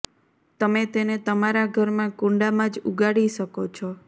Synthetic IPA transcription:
t̪əmet̪enet̪əmaɾaɡʱəɾmãkũɳɖamãd͡ʒuɡaɽiʃəkot͡ʃʰɔ

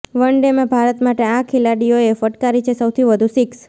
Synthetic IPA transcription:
ʋəɳɖemãbʱaɾət̪maʈeakʰilaɽijoefəʈkaɾit͡ʃʰesəwt̪ʰiʋəd̪ʱũsiks

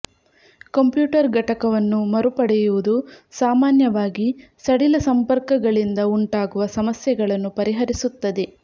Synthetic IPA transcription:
kɐmpjuːʈɐɾɡɐʈɐkɐʋɐnːumɐɾupɐɽɛjuʋud̪usaːmaːnjɐʋaːɡisɐɽilɐsɐmpɐɾkɐɡɐɭind̪ɐuɳʈaːɡuʋɐsɐmɐsjɐɡɐɭɐnːupɐɾiɦɐɾisut̪ːɐd̪e

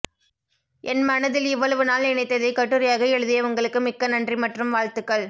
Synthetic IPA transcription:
ʔɛnmɐnɐðɪlɪʋːɐɭɐʋɯnaːlnɪnɐɪt̪ːɐðɐɪkɐʈːɯɾɐjaːɣɐɛɻɯðɪjɐʋɐŋɡɐɭɯkːɯmɪkːɐnɐndrimɐʈrɯmʋaːɻt̪ɯkːɐɭ

